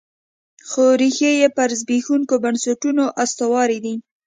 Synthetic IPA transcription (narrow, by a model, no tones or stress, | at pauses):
xoɾixejepaɾzbexuŋkobansaʈunoʔast̪awɑɾid̪i